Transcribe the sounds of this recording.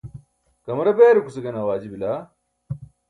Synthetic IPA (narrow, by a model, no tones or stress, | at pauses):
kɐmɾɐbeːɾukusɐɡɐnɐwaːd͡ʑibilaː